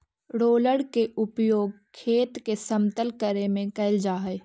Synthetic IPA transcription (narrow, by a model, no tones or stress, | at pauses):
ɽoːləɽkeʊpjoːɡ̚ | kʰːeːt̪kesəmt̪əlkəɾemẽkɐɪld͡ʒaːɦɛ